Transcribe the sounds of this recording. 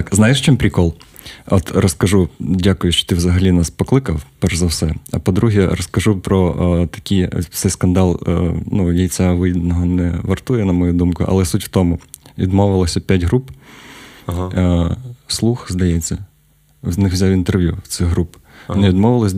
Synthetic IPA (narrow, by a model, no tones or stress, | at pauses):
kznɑjeʃt͡ʃɪmpɾʲikɔlˠ | ɔt̪ɾɔskɐʒudʲakʊjʊʃt͡ʃɔ̥t̪ɪwzɐɦɐlʲinaspɔklˠɪkɐwpɛrzɐwsɛɐpɔd̪ɾuɦɛɾɔskɐʒupɾɔt̪ɐ̥kʲijt̪sɛjskɐnd̪ɑl̰ˠnujʲijt͡sʲaʋɪjid̪nɔɦɔnɛʋɐrt̪ujɛnɐmɔjud̪umkʊʔɐ̰lˠɛsutʲwt̪ɔmʊʋʲid̪mɔʋɪlˠɐsʲɐpʲjatʲɦɾup | slˠuxzd̪ɐjɛt͡sʲːɐ | nɪxʋzʲawint̪erʋʲjṵt̪sɪxɦɾupnɛʋʲid̪mɔʋɪlˠɐsʲ